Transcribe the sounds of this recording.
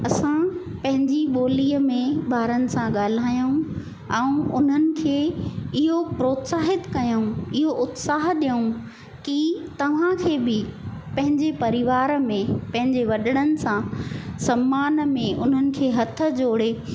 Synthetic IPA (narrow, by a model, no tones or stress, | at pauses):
ɐsãpɐ̃ɦɪ̃ɲd͡ʑiɓoːliːəmẽbaːɾənɪ̆sãɠaːl̤aːjũ | ɛ̃ũʊn̤ənɪ̆kʰeːɪɦopɾoːt̪saːɦɪt̪kɐjũɪɦoʔʊt̪saːɦɗijũ | kit̪ɐʋ̤ãkʰeːbɪpɐ̃ɦɪ̃ɲd͡ʑepɐɾɪʋaːɾmẽpɐ̃ɦɪ̃ɲd͡ʑeʋɐɗəɽ̃ənɪ̆sãsɐmːaːnmẽʔʊ̰n̤ənɪ̆kʰeːɦɐt̪ʰə̆d͡ʑoːɽ̤e